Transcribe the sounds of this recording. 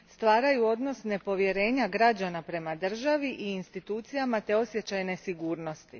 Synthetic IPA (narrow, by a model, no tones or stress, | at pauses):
st̪ʋaːɾajuo̞d̪no̞sne̞po̞ʋje̞ɾe̞ːɲaɡɾad͡ʑanapɾe̞mad̪r̩ʒaʋiʔiːnst̪it̪uːt̪sijamat̪e̞o̞sje̞t͡ɕajne̞siɡuːɾno̞st̪i